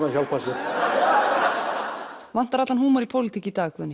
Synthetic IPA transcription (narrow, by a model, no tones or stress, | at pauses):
naçawlpasɛ | van̥t̪aɾat̪lanhɦuːmaɾipʰowlɪt̪iːcɪt̪aːkvɛʏnɪ